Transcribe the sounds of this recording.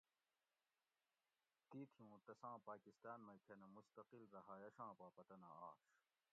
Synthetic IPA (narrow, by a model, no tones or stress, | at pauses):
t̪it̪ʰijũːt̪ɐsãːpaːkist̪aːnmɐjkʰenemust̪ɐqilɾɐɦaːjɐɕãːpaːpɐt̪ɐnaaːɕ